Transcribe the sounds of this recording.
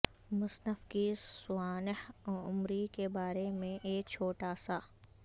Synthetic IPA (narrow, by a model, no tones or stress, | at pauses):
mʊsnəfkisʊaːnɪhʊmɾikebaːɾemẽʔeːk̚t͡ʃʰoːʈaːsa